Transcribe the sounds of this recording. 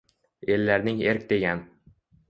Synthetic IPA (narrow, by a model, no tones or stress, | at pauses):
elːæɾnɪŋeɾk̚ʲd̪eɡʲæn